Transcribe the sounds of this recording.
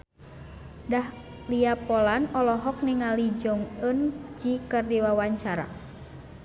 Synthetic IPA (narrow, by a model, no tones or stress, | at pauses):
dah | liapɔlanɔlɔɦɔk̚niŋalid͡ʒɔŋənd͡ʒikərdiwawaɲt͡ʃaɾa̰